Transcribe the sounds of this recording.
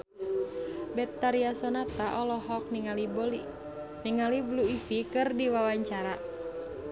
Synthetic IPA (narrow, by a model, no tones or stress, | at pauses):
bɛt̪ːaɾiasɔnat̪aʔɔlɔɦɔk̚niŋaliɔ | niŋalibluifikɨrdiwawaɲt͡ʃaɾa